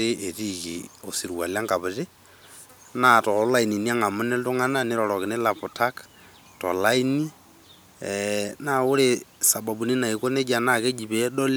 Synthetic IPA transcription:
e˦e˨ti˨kḭ˨o˨si˨ɾwa̰˨lja˦ŋɡa˨βɪ˨te˦ | na˨tɔ˨˦la˦i˨ni˨ni˦a˦ŋa˨mʊ˦ne˦ltʊ˦ŋa˦na˦ne˦ɾɔlɔ˨kɪ˨ne˦la˨pu˨ta˦k | tɔ̰˨la˦i˦ni˦ | na˦˨ʊ˦ɾe˦sa˨ba˨bu˨ni˦na˨i˨ko˦ne˦d͡ʒa˨na˦ke˦d͡ʒi˨pe˨˦ɗɔ˦l

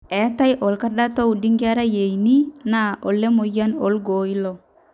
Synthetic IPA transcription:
ɛ˨˦ta˦jʔɔ˨lka˦ɗa˦to˦u˨di˦ŋɡɛ˦ɾa˦je˨jni˦na˨ɔ˨lːe˦mo˨ja˦nɔ̰˨lɡoː˨i˦lɔ˨

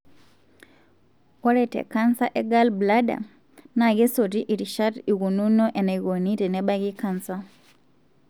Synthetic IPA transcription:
ɔ˦ɾɛ˨tɛ̰ka˦nsa˦ʔɛ˦ɡa˦lbla˦da̰˨ | na˨ɣɛ˦so˨ɾi˦ʔi˨ɾi˨ʃa˦ɾi˨ɣu˨nu˦nɔ˦ʔɛ˨na˨ɣo˨ni˦tɛ˨nɛ˦ɓa˦ɣi˦ka˦nsa

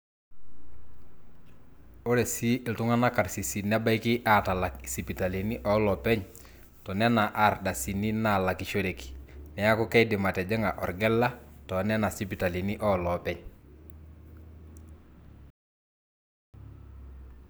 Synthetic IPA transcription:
o˦ɾe˨si˦ɪ˨ltʊ˦ŋa˦na˦ka˨ɾsi˨si˨nɛ˦ba˦jkɪ˦ʔa˦ta˨la˨ksi˨pi˨ta˨li˨ni˦ʔɔ˦lɔ˨pɛ˦ɲ | tɔ˨nɛ˦na˨ʔa˨rda˨si˨ni˦na˦˨la˨ki˨ʃo˦ɾe˨ki̥˨nɛ˨ja˦kʊ˦kɛ˦dɪ˨ma˨tɛ˨d͡ʒɛ˦ŋa˨ʔɔ˨rɡɛ˦lːa˦tɔ˨nɛ˦na˨si˦pi˨ta˨li˨ni˦ʔɔ˦lɔ˨pɛ˦ɲ

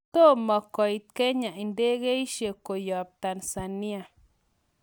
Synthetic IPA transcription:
t̪o˦ma˧ko˧jt̪̚ke˦ɲa˨jnd̪e˦ɡe˦jʃe˧ko˨jo˨b̚t̪a˨nsa˨ni˦a˧

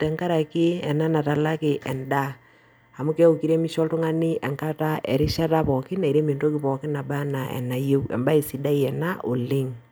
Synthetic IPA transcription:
tɛ˨ŋka˦ɾa˨kɪ˦ɛ˨na˦na˨ta˨la˦kɪ˨ʔɛ˨nda˦ | a˨mʊ˦kɛ˦o˨ki˦ɾe˦mi˦ʃɔ˦ltʊ˦ŋa˦nɪ˦ʔɛ˨ŋka˦ta˦ʔɛ˨ɾɪ˦ʃa˦ta˦pɔ˨kɪ˦na˨i˨ɾe˦me˨nto˦kɪ˦pɔ˨kɪ˦na˨ba˦na˨ʔɛ̰˨na˨je˦wɛ̰˨mba˦i˨si˨da˦i˦ɛ˨na˦ʔo˨lɪ˦ŋ

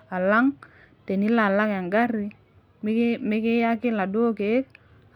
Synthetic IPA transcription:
a˨la˦ŋ | te˨ni˦la˨la˦ŋa˨ŋɡa˦ri˦ | mɪ˦kɪ˦ja˦kɪ˦la˨do˦ke˨˦k̚

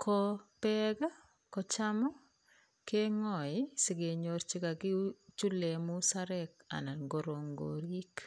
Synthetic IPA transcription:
kʰɔ˦pɛɡa˦ | kɔ˨t͡ʃamɔ˦ | ke˦ŋɔ˨ɪ˦si˨ɡe˨ɲo˨ɾt͡ʃi˦ka˨kɪ˦t͡ʃu˦le˨mu˦sa˦ɾɛ˦ka̰˨na˨nɡo˨ɾo˨ŋɡo̰ɾi˦k

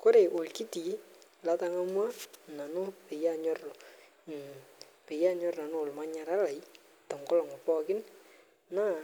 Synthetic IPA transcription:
ko˦ɾe˨ʔo˨lki˦ti˨la˦ta˦ŋa˦mwa˦na˨nʊ˦pɪ˨ja˦ɲɔ˦rɔ˨ | pɪ˨ja˦ɲɔ˦rna˨no˦˨lma˦ɲa˨ɾa˦la˨j | tɔ˨ŋɡɔ˦lɔ˨ŋɔ˨pɔ˦kɪ˦n | na˦˨

